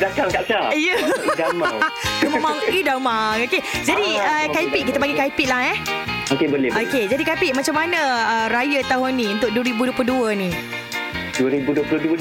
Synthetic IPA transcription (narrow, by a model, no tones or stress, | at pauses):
dakaŋkaʔt͡ʃaijəamŋəmamaŋidamaŋoked͡ʒadiəkaipiʔk̬ːit̪abaɡikaipiʔlahɛh | okebəlɪoked͡ʒadikaipiʔmat͡ʃamːanəəɾajət̪aɦʊnːiũnt̪ʊk̚duəɾibuduəploduəni | duwəɾibuduəpluduə